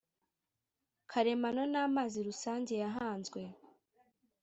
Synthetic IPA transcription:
kʰaɾe̞manonaːmaːziɾusaːɲɟe̞jaɦaːnzɡwe̞

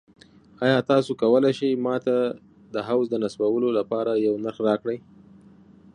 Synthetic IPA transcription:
ɑjɑt̪ɑsokawəlajʃəjmɑt̪a | d̪əɦawzd̪ənasbawəlolapɑɾajawnaɾxɾɑkɽəj

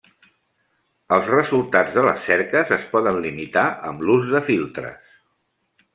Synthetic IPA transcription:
əlˠzrəzulˠt̪ad͡zðələ̰sːɛɾkəzəspɔðənlimit̪aʔə̰mluzðəfilˠt̪ɾə̰s

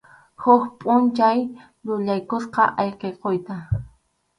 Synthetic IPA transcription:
hʊxpʼʊnt͡ʃaj | lʊʎajkʊsqɑ̰ʔɑjqeqojt̪a

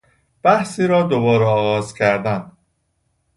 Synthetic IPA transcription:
b̥æhsiːɾɒːd̪obɒːɾɛɒːɣɒːzcʰæɾd̪ænd̪

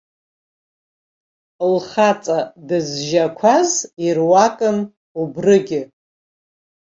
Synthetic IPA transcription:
lχat͡sʼadɨzʒakʷʰazirwakʼɨn | ubrɨɡʲɪ

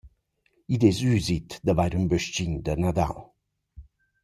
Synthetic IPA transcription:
id̪ɛzyzit̪d̪əvajɾymbəʃt͡ɕiɲd̪ənad̪a̰l

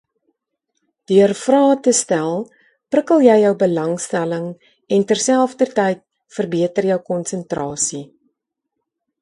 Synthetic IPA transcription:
d̥yərfrɑːtəstælˠ | prəkəlˠjɛjːœwbəlɐŋstæləŋ | ɛntærsælˠfdərtɛjt̚ | fərbiətərjœwkɔnsəntrɑːsi

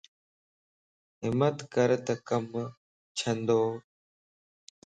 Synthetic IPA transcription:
ɦɪmət̪kəɾt̪ɐkəm | t͡ɕʰənd̪oː

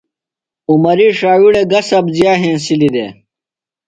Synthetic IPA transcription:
umɐɾiʂaːwiɽeɡɐsɐbzjaːɦẽːnsilid̪ḛː

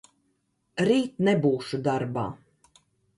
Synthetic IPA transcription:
ɾiːt̪nɛbuːʃud̪aɾba̰ː

